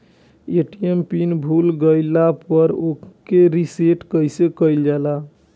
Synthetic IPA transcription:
eʈijempinbʱulɡəɪlapəɾokeɾiseʈkəjsekəjld͡ʒala

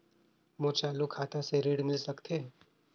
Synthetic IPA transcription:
mot͡ʃalukʰat̪ʰaseɾiɽmilsəkt̪ʰe

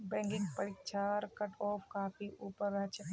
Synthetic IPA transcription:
bɛ̃ːŋɡɪ̃ŋɡpəɽɪkt͡ʃʰaɾkɐʈɔːfkaːfiʔuːpəɾɐt͡ʃ

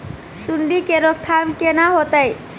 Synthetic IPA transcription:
suɳɖikeɾokt̪ʰamkenaɦot̪aj

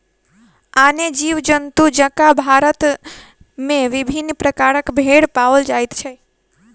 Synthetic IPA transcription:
aned͡ʒiʋd͡ʒənt̪ud͡ʒə̃kabʱaɾət̪ | mẽʋibʱinːpɾəkaɾəkbʱeɽpaʋəld͡ʒajt̪t͡ʃʰɛ

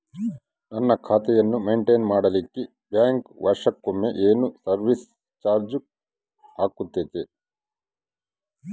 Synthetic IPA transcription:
nɐnːɐkʰaːt̪ɛjɐnːumeːɳʈeːnmaːɽɐlikːi | bjaːŋkʋɐɾʂɐkːomːeʔeːnusɐɾʋis | t͡ʃaːɾd͡ʒu | aːkut̪ːeːt̪e

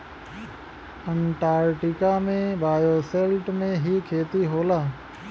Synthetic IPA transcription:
əɳʈaːɾʈɪkaːmẽbaːjoːseːlʈmẽːɦiːkʰeːt̪iɦoːlaː

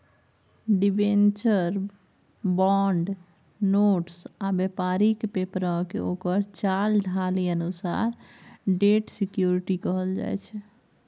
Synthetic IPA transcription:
ɖibent͡ʃəɾ | bɔɳɖ | noʈsabjepaɾikpepɾə̃kḛokəɾt͡ʃalɖʱaliənusa̰ɾɖeʈsikjuɾiʈikəɦəld͡ʒa̰jt͡ʃʰɛ

